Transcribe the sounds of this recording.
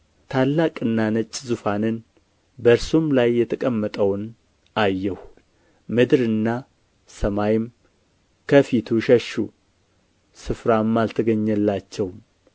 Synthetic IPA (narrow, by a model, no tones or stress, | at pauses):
t̪ʰalːakʼɨnːanət͡ʃʼːzufanɨn | bəɾsumlajːɛt̪ʰəkʼəmːət̪ʼəwn | ajːɛh | mɨd̪ɾɨnːa | səmajɪm | kʰəfit̪ʰuʃɛʃu | sɨfɾamːalt̪ʰɨɡəɲːəlːat͡ʃːɛwm